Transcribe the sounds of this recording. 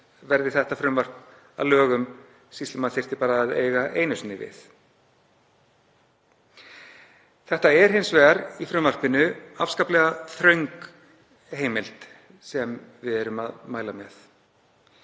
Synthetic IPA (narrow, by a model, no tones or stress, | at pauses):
vɛɾðɪθɛht̪afɾʏmvar̥k | a̰ðlœːɣʏm | sist̪ɪmaðθejr̥t̪ɪpaːɾaːðḛːjɣaʔejnʏsnɪvɪ̰θ | θɛht̪aɛɾ̥hɪnsvɛɣaɾifɾʏmvar̥pɪnːʏafskaːplɛɣaθɾœɥŋk | heːjmɪlt̪ | sɛmvɪðɛɾʏmaðmaːjlamɛ̰θ